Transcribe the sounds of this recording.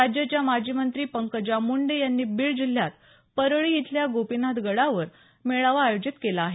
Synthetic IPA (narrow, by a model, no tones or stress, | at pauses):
ad͡ʑjət͡ɕjamad͡ʑimənt̪ɾiːpəŋkəd͡ʑjamuɳɖejanːiːbiɭd͡ʑil̤ːjat̪ | pəɾəɭijit̪ʰljaɡopinad̪ɡəɽaʋəɾ | meɭaʋaːjod͡ʑit̪kelaːɦe